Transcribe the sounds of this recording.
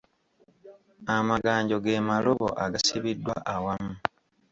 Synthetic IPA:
amaɡaːɲɟo̞ɡe̞ːmaloβo̰ʔa̰ɡasiβidːwa̰ʔawamu

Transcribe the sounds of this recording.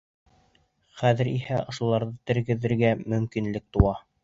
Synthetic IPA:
χæðɘ̆ɾihæʔŏʃulˠɑɾðɤt̪ɘ̆ɾɡɘ̆ðɘ̆ɾɡæmɵ̆mkinlɘk̚t̪uwɑ

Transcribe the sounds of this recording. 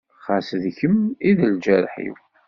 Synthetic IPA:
χasðçəmiðəld͡ʒæɾħḭw

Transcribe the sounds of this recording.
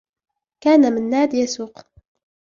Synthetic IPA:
kæːnamənːaːd̪jasuq

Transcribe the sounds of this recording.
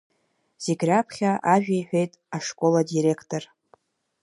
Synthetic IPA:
z̥iɡʲrapʰχʲaʔaʒᶣejħʷᶣejtʼaʂkʼo̞ladiɾe̞kʰtʰʼo̞r

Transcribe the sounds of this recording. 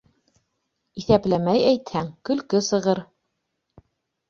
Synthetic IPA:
iθæplæmæjæjt̪hæŋkɵ̆lkɵsɤ̆ʁɤɾ

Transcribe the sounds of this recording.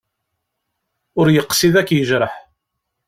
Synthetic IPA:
ʊɾjəqːsiðækːjəʒɾəħ

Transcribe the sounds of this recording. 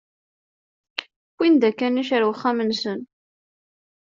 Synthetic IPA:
kʷːind̪ækːæniʃəɾwəχːamənsən

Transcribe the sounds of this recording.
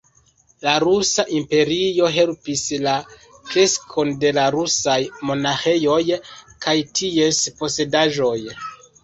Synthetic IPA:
laɾusaʔimpe̞ɾio̞ɦe̞lpislakɾe̞skʰo̞nde̞laɾusajmo̞naxe̞jo̞jkajtʰie̞spo̞se̞daʒo̞j

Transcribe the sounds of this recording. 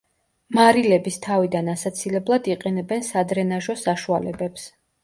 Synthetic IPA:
maɾilɛbist̪ʰavid̪anasat̪sʰilɛblˠad̪iqʼɛnɛbɛnsad̪ɾɛnaʒɔsaʃualɛbɛps

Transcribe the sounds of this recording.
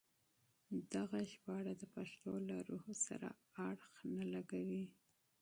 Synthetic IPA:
d̪̥aɣaʃpɑɽad̪əpaʃt̪olaɾuhsa̰ɾa̰ | aɽxnalaɡawi

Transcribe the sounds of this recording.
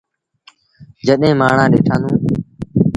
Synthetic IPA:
d͡ʒəɗẽːmaːɳãːɗeːʈʰãːnd̪ũː

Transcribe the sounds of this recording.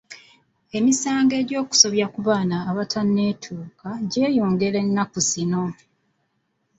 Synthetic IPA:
e̞misaːŋɡe̞ːɟo̞ːku̥so̞βjakuβaːnaːβatʰanːe̞ːtʰuːkaɟe̞ːjuːŋɡele̞nːakuzino̞

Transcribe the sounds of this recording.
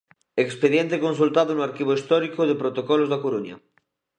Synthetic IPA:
ekspeðjent̪ekons̬ult̪aðonoaɾkiβoist̪ɔɾikoðepɾot̪okɔlozðakoɾuɲɐ̰

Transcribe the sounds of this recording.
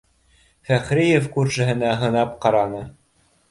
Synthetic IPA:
fæχɾijefkuɾʃɘ̆ɦɘ̆næɦɤ̆nɑp̚qɑɾɑnɤ

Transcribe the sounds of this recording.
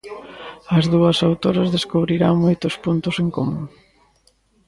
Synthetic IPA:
ɐzðuɐsawt̪oɾɐzðeskuβɾiɾaŋmojt̪ʊspunt̪ʊseŋkomũŋ

